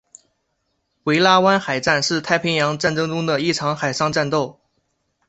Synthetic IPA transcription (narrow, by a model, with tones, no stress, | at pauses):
we˧˥ɪla˥wa˥nxa˨˩ɪʈ͡ʂa˥˧nʂɻ̩˥˩t̪ʰa˥˩ɪpʰi˧˥ŋjɑ˧˥ŋʈ͡ʂa˥˩nʈ͡ʂɤ˥ŋʈ͡ʂʊ˥ŋd̪ə˨i˥˩ʈ͡ʂʰɑ˧˥ŋxa˨˩ɪʂɑ˥ŋʈ͡ʂa˥˧nt̪o˥˩ʊ